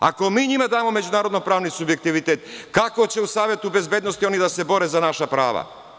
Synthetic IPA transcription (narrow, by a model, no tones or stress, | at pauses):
a̰ko̞miːɲimad̪aːmo̞me̞d͡ʑunaːɾod̪no̞pɾaːʋnisubje̞k̚t̪iʋit̪et̪kako̞t͡ɕe̞usaːʋje̞t̪ube̞zbeːd̪nost̪io̞nid̪ase̞bo̞ɾeːzanaʃapɾa̰ːʋa̰